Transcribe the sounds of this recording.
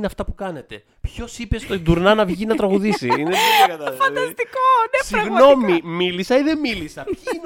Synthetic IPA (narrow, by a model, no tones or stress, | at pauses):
neɐft̪ɐpukɐne̞t̪e̞ | pço̞sipe̞st̪oid̪uɾnɐnɐvʝinɐt̪ɾɐɣuðisḭinekɐt̪ɐfɐd̪ɐst̪ikonesiɐɣnno̞mimilisɐiðe̞milisɐpi